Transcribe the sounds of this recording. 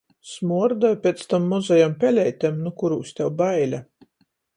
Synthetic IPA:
smuɔɾd̪ɔjpʲɛt̪st̪amːɔzajampʲɛlʲɛjt̪ʲemnukuɾuːsʲt̪ʲɛwbajlʲa

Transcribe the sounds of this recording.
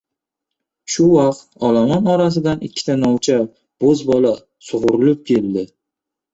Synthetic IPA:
ʃʊwɑqt̪ɒlamɒnɒɾas̬ɪd̪anɪkʲʰːɪ̥t̪ʰanɒwt͡ʃʰa | b̥ozbɒla | sʊʁʊɾɪlɪp̚kʲʰe̞ld̪ɪ

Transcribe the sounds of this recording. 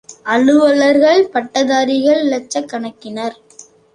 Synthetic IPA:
ɐlɯʋɐɭɐɾɣɐɭpɐʈːɐðaːɾɪɣɐɭlɐt͡ʃːɐkːɐɳɐkːɪnɐɾ

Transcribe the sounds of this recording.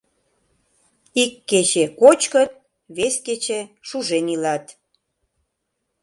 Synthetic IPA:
ikːet͡ɕekot͡ɕkət̪̚ | βesket͡ɕeʃuʒenilɑt̪

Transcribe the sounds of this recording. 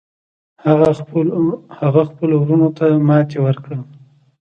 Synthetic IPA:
haɣa | haɣaxpəlowɾunot̪amɑt̪ewəɾkɽə

